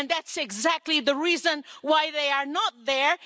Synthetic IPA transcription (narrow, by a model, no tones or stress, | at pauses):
nðætsɨɡzæk̚tˡliðəɹizə̃nwaɪðeɪə˞nət̪̚ðə˞